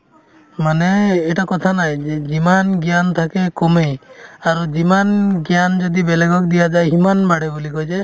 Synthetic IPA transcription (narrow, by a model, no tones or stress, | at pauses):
maneːʈakɔt̪ʰanajd͡ʒed͡ʒimanɡjant̪ʰakekɔmejaɾud͡ʒimanɡjand͡ʒɔd̪ibeleɡɔk̚d̪ijad͡ʒajɦimanmaɽebulikɔɦjt͡ʃʰe